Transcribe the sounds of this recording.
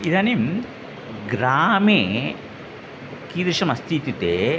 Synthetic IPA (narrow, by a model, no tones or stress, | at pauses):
iðɐnim | ɡɾaːme | kiːd̪ɾiʂɐmɐst̪ʰit̪ːit̪ːe